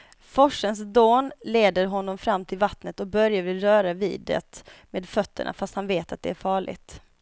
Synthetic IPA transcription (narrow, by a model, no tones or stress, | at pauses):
fɔʂəns̬d̪oːnleːd̪əɾɦɔnːɔmfɾamːt̪ʰɪlvat̪nət̪ɔk̚bœɾjavɪlɾœːɾavḭːd̪ɛ̰t̪meːd̪fœt̪ːə̰ɳʔa̰fast̪hanveːt̪at̪̚d̪ɛ̰æɾfɑːɭɪ̰ɡt̪